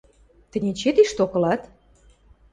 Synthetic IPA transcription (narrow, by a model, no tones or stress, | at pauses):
t̪ə̆nʲet͡ɕet̪iʃt̪okɤ̆lɑt̪